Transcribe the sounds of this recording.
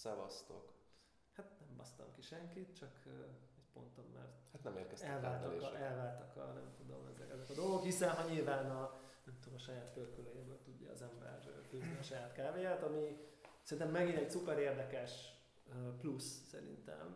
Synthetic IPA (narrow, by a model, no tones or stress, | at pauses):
sɛvɒ̰st̪o̰k | hat̪nɛmbɒst̪ɒ̰mkiʃɛŋkit̪t͡ʃɒkʰøɛcpo̞̰nt̪ot̪mɛ̰rt̪hat̪nɛmḛːrkɛsɛlvaːlt̪ːkɛlvaːlt̪ɒkɒ̰nɛ̰mt̪ud̪o̞̰mɛzɛ̰kɛzɛkɒd̪o̞lɡokhisɛnɦɒɲilvaːnɒ | nɛmt̪ud̪omɒʃɒjaːt̪pørkøløjebøːlt̪uɟːɒ̰ːzɛmbɛ̰rføːzniɒʃɒjaːt̪kaːveːjaːt̪ɒmisɛɾint̪ɛmːɛɡinɛɟsupɛɾeːrd̪ɛkɛʃ | øplussɛ̰ɾḭnt̪ɛ̰m